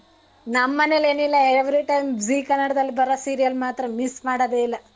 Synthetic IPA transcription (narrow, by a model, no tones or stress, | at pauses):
nɐmːɐnele̞ːnilːɐeʋɾiʈɐjmziːkɐnːɐɽɐd̪ɐlːibɐɾɐsiːɾijɐlmaːt̪ɾɐmismaːɽɐd̪eːilːɐ